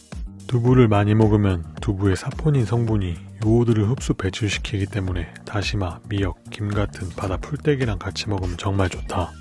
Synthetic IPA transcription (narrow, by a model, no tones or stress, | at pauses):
tubuɾɯɭmaɲimʌɡɯmjʌntubue̞sʰapʰoɲinsʰʌŋbuɲijoudɯɾɯɭɸɯp̚s͈upe̞t͡ɕʰuɭɕʰi̥kʰiɡit͈e̞mune̞ | taɕʰimamijʌk̚k͈imɡatʰɯnpadapʰuɭt͈e̞ɡiɾaŋkat͡ɕʰimʌɡɯmt͡ɕʌŋmaɭt͡ɕotʰa